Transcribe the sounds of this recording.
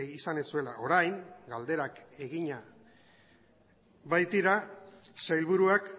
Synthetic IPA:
isanesue̞laʔo̞ɾajŋɡald̪e̞ɾake̞ɣiɲa | βajt̪iɾasajlβuɾuak

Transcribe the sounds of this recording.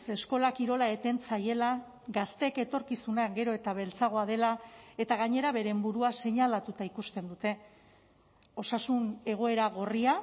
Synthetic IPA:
se̞sko̞lakiɾo̞lae̞t̪e̞nt͡saje̞la | ɡast̪e̞ke̞t̪o̞ɾkisunaɣe̞ɾo̞e̞t̪aβ̞e̞lt͡saɣ̞o̞að̞e̞lae̞t̪aɣ̞aɲe̞ɾaβe̞ɾe̞mbuɾuase̞ɲalat̪ut̪aikust̪e̞nd̪ut̪e̞ | o̞sasune̞ɣ̞o̞e̞ɾaɣ̞o̞ria

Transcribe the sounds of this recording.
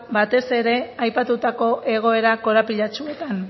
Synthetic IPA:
bat̪e̞se̞ɾe̞ajpat̪ut̪ako̞ʔe̞ɣ̞o̞e̞ɾako̞ɾapiʎat͡ʃue̞t̪an

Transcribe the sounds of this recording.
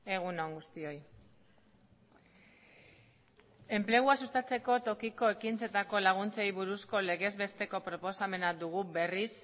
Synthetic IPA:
e̞ɣunoŋɡust̪io̞j | e̞mple̞ɣ̞uasust̪at͡se̞ko̞t̪o̞kiko̞e̞kint͡se̞t̪ako̞laɣ̞unt͡sejβuɾusko̞le̞ɣe̞zβe̞st̪e̞ko̞pɾo̞po̞same̞nad̪uɣ̞ube̞ris

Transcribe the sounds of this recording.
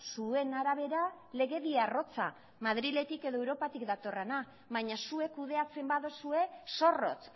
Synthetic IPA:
sue̞naɾaβe̞ɾa | le̞ɣe̞ðiaro̞t͡sa̰ | maðɾile̞t̪ike̞ðo̞ewɾo̞pat̪ikd̪at̪o̞rena | βaɲasue̞kuð̞e̞at͡se̞mbaðosue̞so̞ro̞̰t͡s

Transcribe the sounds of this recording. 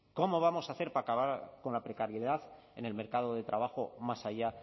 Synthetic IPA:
ko̞mo̞β̞amo̞saθe̞ɾpaːkaβaɾko̞nlapɾe̞kaɾjeðaθ | e̞̰ne̞lme̞ɾkaðo̞ðe̞t̪ɾʔaβ̞axo̞masaʝa

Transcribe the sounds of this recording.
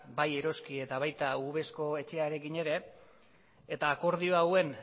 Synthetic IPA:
baje̞ɾo̞skie̞t̪aβ̞ajt̪auβ̞e̞sko̞e̞t͡ʃe̞aɾe̞kiɲe̞ɾe̞ | t̪aːko̞ɾð̞io̞awe̞n

